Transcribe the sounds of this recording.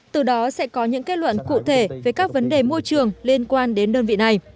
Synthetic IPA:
t̪ɨ˨˩ɗɔ˨˦sɛ̰˧˥kɔ˨˦ɲɨ̰˧˥ŋke˦˥t̚lwə̰˧˨nkṵ˧˨t̪ʰe˧˩ve˨˩kaː˦˥k̚və˨˦nɗe˨˩mo˧jt͡ɕɨ˨˩əŋli˧ənkwaː˧nɗe˨˦nɗəː˧nvḭ˧˨na˨˩j

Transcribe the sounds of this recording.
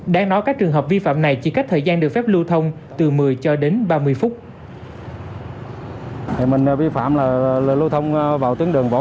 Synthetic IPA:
ɗaː˧ŋnɔ˨˦jkaː˦˥k̚t͡ɕɨ˨˩əŋɦəː˨˩p̚vi˧fa̰ː˧˨mna˨˩jt͡ɕi˧˩ka˦˥k̚t̪ʰəː˨˩jzaː˧nɗɨ˨˩ək̚fɛ˦˥p̚lu˧t̪ʰə˧wŋ͡m | t̪ɨ˨˩mɨ˨˩əjt͡ɕɔ˧ɗe˨˦nɓaː˧mɨ˧əjfʊ˦˥k͡p̚ | mï˨˩ŋ̟˧vi˧fa̰ː˧˨mlaː˨˩˨lu˧t̪ʰə˧wŋ͡mvaː˨˩wt̪i˨˦ŋɗɨ˨˩əŋvo̰˧˨˦

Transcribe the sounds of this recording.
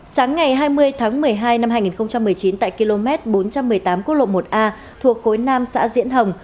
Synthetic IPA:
saː˨˦ŋːa˨˩jɦaː˧jmɨ˧əjt̪ʰaː˨˦ŋmɨ˨˩əjɦaː˧jna˧mɦaː˧jŋi˨˩nxə˧ŋ͡mt͡ɕa˧mːɨ˨˩əjt͡ɕi˨˦nt̪a̰ː˧˨jki˧lo˧mɛ˦˥t̚ɓo˨˦nt͡ɕa˧mːɨ˨˩əjt̪aː˨˦mkt̚lo̰˧˨mo˨˩t̚ʔaː˧ | t̪ʰu˨˩ək̚xo˨˦jnaː˧msa̰ː˧˥zḭ˧˥ənɦə˨˩wŋ͡m

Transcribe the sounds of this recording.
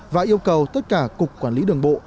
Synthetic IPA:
vaː˨˩ʔi˧əwkə˨˩wt̪ə˦˥t̚kaː˧˩kʊ˨˩k͡p̚kːwaː˧˩nli˨˦ɗɨ˨˩əŋɓo̰˧˨

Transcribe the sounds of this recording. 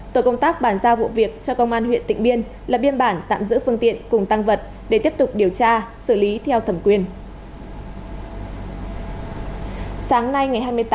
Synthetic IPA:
t̪o˧˩jkə˧wŋ͡mt̪aː˦˥k̚ɓaː˧˩nzaː˧vṵ˧˨vi˨˩ək̚t͡ɕɔ˧kə˧wŋ͡mʔaː˧nɦwḭ˧˨ənt̪ḭ˧˨ŋɓi˧ən | laː˨˩ɓi˧ənɓaː˧˩nt̪a̰ː˧˨mzɨ̰˧˥fɨ˧əŋt̪ḭ˧˨ənkʊ˨˩ŋ͡mt̪a˧ŋvə˨˩t̚ | ɗe˧˩t̪i˦˥əp̚t̪ʊ˨˩k͡p̚ɗi˨˩əwt͡ɕaː˧sɨ˧˩li˨˦t̪ʰɛ˧wt̪ʰə˧˩mkwi˧˩ən | saː˨˦ŋna˧jŋa˨˩jɦaː˧jmɨ˧əjt̪ː

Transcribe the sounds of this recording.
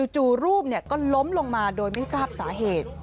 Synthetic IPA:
u˧t͡ɕuː˨˩ɾuː˥˩p̚ni˥˩əkɔː˥˩lo˦˥mlo˧ŋmaː˧doː˧jma˥˩jsaː˥˩p̚saː˩˦ɦeː˨˩t̪̚

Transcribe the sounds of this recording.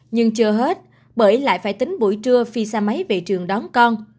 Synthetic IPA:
ɲɨ˧ŋt͡ɕɨ˧əɦe˦˥t̚ | ɓəː˧˩jla̰ː˧˨jfaː˧˩jt̪ï˨˦ŋ̟ɓu˧˩jt͡ɕɨ˧əfi˧saː˧ma˨˦jve˨˩t͡ɕɨ˨˩əŋɗɔ˨˦nkɔ˧n

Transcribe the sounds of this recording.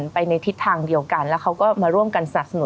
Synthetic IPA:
npa˧jna˧jt̪ʰi˦˥t̪ʰːaː˧ŋdi˧əwka˧nlɛː˦˥wkʰa˦˥wkɔː˥˩maː˧ɾu˥˩əmka˧nsa˧na˨˩p̚sa˧nu˨˩˦

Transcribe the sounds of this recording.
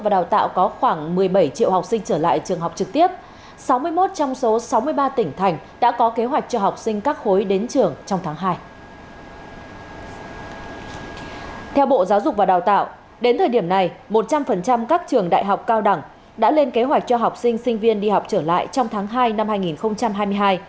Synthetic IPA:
vaː˨˩ɗaː˨˩wt̪a̰ː˧˨wkɔ˨˦xwaː˧˩ŋmɨ˨˩əjɓə˧˩jt͡ɕḭ˧˨əwɦa˨˩wk͡p̚sï˧ŋ̟t͡ɕəː˧˩la̰ː˧˨jt͡ɕɨ˨˩əŋɦa˨˩wk͡p̚t͡ɕɨ˨˩k̚t̪i˦˥əp̚ | sa˨˦wmɨ˧əjmo˦˥t̚t͡ɕɔ˧wŋ͡mso˨˦sa˨˦wmɨ˧əjɓaː˧t̪ï˧˩ŋ̟t̪ʰa˨˩jŋ̟ | ɗa̰ː˧˥kɔ˨˦ke˨˦ɦwa˨˩k̚t͡ɕɔ˧ɦa˨˩wk͡p̚sï˧ŋ̟kaː˦˥k̚xo˨˦jɗe˨˦nt͡ɕɨ˨˩əŋt͡ɕɔ˧wŋ͡mt̪ʰaː˨˦ŋɦaː˧j | t̪ʰɛ˧wɓo̰˧˨zaː˨˦wzʊ˨˩k͡p̚vaː˨˩ɗaː˧˩wt̪a̰ː˧˨w | ɗe˨˦nt̪ʰəː˨˩jɗi˧˩əmna˨˩jmo˨˩t̚t͡ɕa˧mfə˨˩nt͡ɕa˧mkaː˦˥k̚t͡ɕɨ˨˩əŋɗa̰ː˧˨jɦa˨˩wk͡p̚kaː˧wɗa˧˩ŋ | ɗa̰ː˧˥le˧nke˨˦ɦwa˨˩k̚t͡ɕɔ˧ɦa˨˩wk͡p̚sï˧ŋ̟sï˧ŋ̟vi˧ənɗi˧ha˨˩wk͡p̚t͡ɕəː˧˩la̰ː˧˨jt͡ɕɔ˧wŋ͡mt̪ʰaː˨˦ŋɦaː˧jna˧mhaː˧jŋi˨˩nxə˧wŋ͡mt͡ɕa˧mɦaː˧jmɨ˧əjɦaː˧j

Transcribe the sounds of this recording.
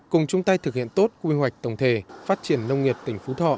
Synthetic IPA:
kʊ˨˩ŋ͡mt͡ɕʊ˧ŋ͡mt̪a˧jt̪ʰɨ˨˩k̚hḭ˧˨ənt̪o˦˥t̚kwi˧ɦwa˨˩jk̟̚t̪ə˨˩wŋ͡mt̪ʰe˨˩faː˦˥t̚t͡ɕi˧˩ənːə˧wŋ͡mŋi˨˩əp̚t̪ï˧˩ŋ̟fu˨˦t̪ʰɔ̰˧˨ʔ

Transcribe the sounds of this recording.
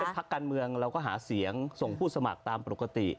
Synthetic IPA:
e˧npʰa˦˥kːaː˧nmɯ˧əŋɾa˧wkɔː˥˩ɦaː˩˦si˩˦əŋso˨˩ŋpʰuː˥˩sa˧ma̰˨˩k̚t̪aː˧mpo˨˩ka˧t̪ḭ˨˩

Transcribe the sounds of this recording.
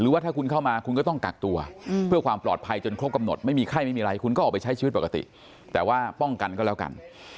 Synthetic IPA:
ɾɯː˨˦waː˥˩aː˥˩kʰu˧nkʰa˥˩wmaː˧kʰu˧nkɔː˥˩t̪ɔ˥˩ŋka̰˨˩k̚t̪u˧ɐpʰɯ˥˩ɐkʰwaː˧mplɔ̰ː˨˩t̪̚pʰa˧jt͡ɕo˧nkʰɾo˦˥p̚ka˧mno˨˩t̪̚ma˥˩jmiː˧kʰaː˥˩jma˥˩jmiː˧ɾa˧jkʰu˧nkɔ˥˩ʔɔː˨˩pa˧jt͡ɕʰa˦˥jt͡ɕʰiː˧˦˥t̪̚po˨˩ka˧t̪ḭ˨˩ | t̪ɛː˨˩waː˥˩pɔ˥˩ŋka˧nkɔː˥˩lɛː˦˥wka̰˧n

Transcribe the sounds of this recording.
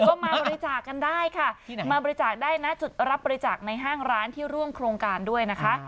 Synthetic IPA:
kɔː˥˩maː˧bɔː˧ɾi˦˥t͡ɕaː˨˩kːa˧ndaː˥˩jkʰa˥˩maː˧bɔː˧ɾi˦˥t͡ɕaː˨˩k̚daː˥˩jna˦˥t͡ɕu˨˩t̪̚ɾa˦˥p̚bɔː˧ɾi˦˥t͡ɕaː˨˩k̚na˧jɦaː˥˩ŋɾaː˦˥nt̪ʰiː˥˩ɾu˥˩əmkʰɾoː˧ŋkaː˧ndu˥˩əjna˦˥kʰa˦˥ʔ

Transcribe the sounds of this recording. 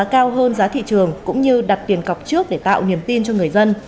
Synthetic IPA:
kaː˧wɦəː˧nzaː˨˦t̪ʰḭ˧˨t͡ɕɨ˨˩əŋkʊ̰˧˥ŋ͡mɲɨ˧ɗa˨˩t̚t̪i˨˩ənka˨˩wk͡p̚t͡ɕɨ˦˥ək̚ɗe˧˩t̪a̰ː˧˨wni˨˩əmt̪i˧nt͡ɕɔ˧ŋɨ˨˩əjzə˧n

